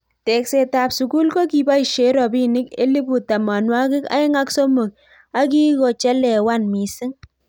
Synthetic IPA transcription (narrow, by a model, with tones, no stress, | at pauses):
te˨kse˨ta˨psu˨ku˦lko˦ki˨ba˦i˨ʃe˨˦ɾɔ˨bi˦nɪ˦kḛ˦li˦bu˨ta˨ma˨nwa˦kɪ˦ka̰˦ɪ˦ŋa˦kso˦mo˨k̚ | a˦k̬i˦ko˨t͡ʃɛ˦lɛ˨wa˦nmi˨sɪ˦ŋ